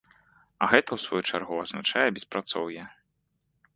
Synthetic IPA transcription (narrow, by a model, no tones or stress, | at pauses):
ɐ̰ɣɛt̪ɐwsvɔjut͡ʂarɣuɐznat͡ʂajɛbʲɛspɾat̪sɔwjɛ